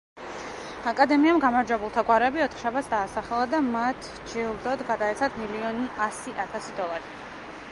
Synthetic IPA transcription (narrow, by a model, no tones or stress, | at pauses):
akʼad̪ɛmiamɡamaɾd͡ʒwɛbulˠt̪ʰaɡwaɾɛbiɔt̪ʰχʃabat̪sd̪aːsaχɛlˠad̪amat̪ʰ | d͡ʒɛulˠd̪ɔd̪ɡad̪aɛt̪sʰat̪ʰmiliɔniasiʔat̪ʰasid̪ɔlˠaɾi